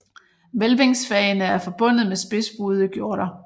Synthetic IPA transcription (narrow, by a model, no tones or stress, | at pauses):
ʋelbeŋsfɛənəæɐfɒ̽b̥ɔ̽n̰ð̞̩ˠmesb̥e̝sb̥uð̞ˠiɡ̥jo̝ɐ̰ɾ̥ɐ